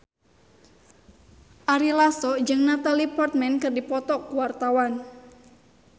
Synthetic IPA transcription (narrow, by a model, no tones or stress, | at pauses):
ʔaɾilasɔd͡ʒɨŋnat̪alipɔrt̪̚mɛnkɨrdipɔt̪ɔkuwart̪awan